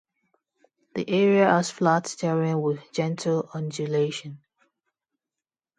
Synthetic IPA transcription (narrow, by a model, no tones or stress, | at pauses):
ðḭʔɛɹiəʔəz̥flatsdɛɹɪ̃ŋwɪðd͡ʒɛ̃ntʰəlɔ̃nd͡ʒəleʃə̃n